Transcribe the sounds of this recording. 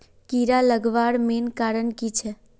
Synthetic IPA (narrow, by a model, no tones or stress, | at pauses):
kiɾaləɡʋaɽmenkaɾənkit͡ʃʰɛ